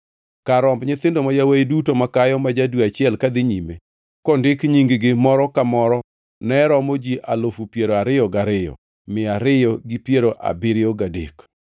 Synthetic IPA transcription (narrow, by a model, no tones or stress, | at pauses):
kaɾɔmbɲɪt̪ɪndomajaweidutomakajɔmad͡ʒadwuat͡ʃɪɛlkad̪ɪɲime | kɔndɪkɲiŋɡɡɪmɔɾɔkamɔɾɔ | nɛɾɔmod͡ʒiʔalofupjeɾoaɾɪjɔɡaɾɪjɔ̰ | mɪaɾɪjɔɡɪpjeɾoʔa̰bɪɾɪoɡadḛk